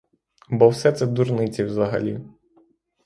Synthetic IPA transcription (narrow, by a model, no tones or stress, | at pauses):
bɔwsɛt̪sɛd̪urnɪt͡sʲiwzɐɦɐ̰lʲi